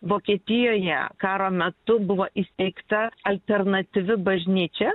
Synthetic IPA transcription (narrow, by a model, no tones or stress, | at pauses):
ʋoːkʲiɛːt̪ʲɪjoːjɛ̰kɑːɾoːmʲɛt̪ʊbʊʋoːʔisʲt̪ʲɛɪkt̪ɐɐlʲt̪ʲɛɾnɐt̪ʲɪʋʲɪbɐʒʲnʲiːt͡ʃʲɛ